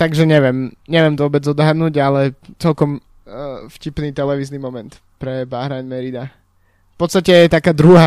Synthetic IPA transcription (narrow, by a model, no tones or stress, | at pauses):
t̪aɡʒɛɲɛʋjɛmɲɛʋɪɛmt̪ɔʋɔbɛd͡zɔd̪ɦad̪nuːɟalɛt͡sɛlkɔm | fcipniːt̪ɛlɛʋiːznimɔmɛnt̪ | pɾɛbaɦɾaɲmɛɾid̪a | fpɔt̪st̪acɛjɛt̪akaːd̪ɾuɦa